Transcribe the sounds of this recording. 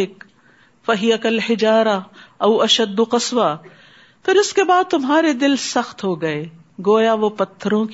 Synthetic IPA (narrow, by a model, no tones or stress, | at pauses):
ɪk | fɐɦɪjɐkɐlhɪd͡ʒaːɾɐɐwɐʃɐd̪ːʊqɐsʋa | pʰɪɾɪskebaːd̪̚t̪ʊmɦaːɾed̪ɪlsɐxt̪ɦoːɡɐeː | ɡoːjaʋopɐt̪ʰːəɾõk